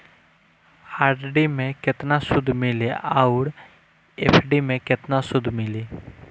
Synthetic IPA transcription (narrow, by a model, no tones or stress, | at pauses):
aːɖɖimẽkɪt̪nasʊd̪ʱmɪleaʊɾ | epʰɖimẽkɪt̪nasʊd̪ʱmɪleː